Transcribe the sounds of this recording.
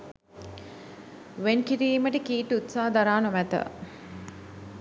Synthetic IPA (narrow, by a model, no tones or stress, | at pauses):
ʋenkiɾiːməʈəkiːʈut̪saːɦəd̪aɾaːnomæt̪ə̰